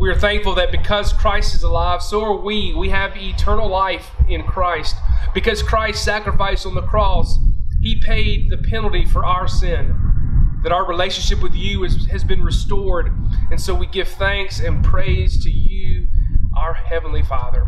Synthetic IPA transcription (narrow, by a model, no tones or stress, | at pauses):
wiə˞θæ̃ŋkfl̩ˠðɨt̚b̥ɨkʰʌz̥kʰɹ̥aɪstɨzəlaɪv̥soʊə˞wiwiɨvitʰɜ̃˞nl̩ˠlaɪfɪ̃nkʰɹ̥aɪst̚b̥ɨkʌz̥kʰɹ̥aɪstsækɹəfaɪsn̩ðəkʰɹ̥ɔshipʰeɪd̪̚ðɨpʰɛnl̩ˠtifə˞ʔaʊə˞sɪ̃nðɨɾaʊə˞ɹileɪʃɨ̃nʃɪpwɨðjʉzɨzbɨ̃nɹɨstɔɹɾɨ̃nsoʊwiɡɪv̥θæ̃ŋksɨ̃npʰɹ̥eɪz̥tʰɨjʉʔaə˞hɛvn̩lifɑðə˞